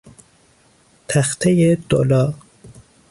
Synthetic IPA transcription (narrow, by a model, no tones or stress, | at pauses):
t̪ʰæxt̪ʰejed̪̥olɒː